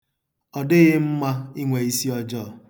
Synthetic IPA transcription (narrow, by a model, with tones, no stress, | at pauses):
ɔ˨dɪ˦ɣɪ˦m̩˦ma˦i˦ŋʷe˨i˦si˦ɔ˦d͡ʒɔː˦˨